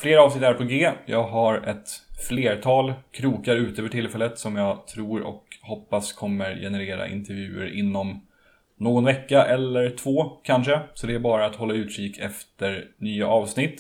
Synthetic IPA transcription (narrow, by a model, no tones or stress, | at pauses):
fleːɾɑːvsnɪt̪ːæɾpʰɔɡeːjʔɑːɡɦaɾɛt̪fleːɾʈ̪ʰɑːlkʰɾuːkaɾʉ̟ːt̪əəːvəʈʰɪlfɛlːət̪sɔmjɑːɡt̪ʰɾuːɾɔ̰khɔpːaskʰɔmːəɾjɛ̰nɛɾeːɾa̰ʔɪ̰nt̪ɛɾvjʉ̟ːə̰ɾʔɪnːɔm | noːɡɔnvɛkːaʔɛlːəɾʈʰvoːkʰanʂəsɔd̪ɛæɾbɑːɾaːt̪hɔlːaʉ̟ːt̪ʂiːkʰɛft̪əɾnyːaʔɑːvsnɪt̪ː